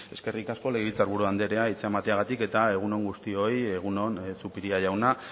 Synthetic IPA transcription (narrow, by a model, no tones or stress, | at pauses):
e̞ske̞rikasko̞leɣit͡saɾβuɾuand̪eɾe̞ait͡seemat̪e̞aɣ̞at̪ike̞t̪ae̞ɣ̞uno̞ŋɡust̪io̞je̞ɣ̞uno̞nsupiɾiaʝawna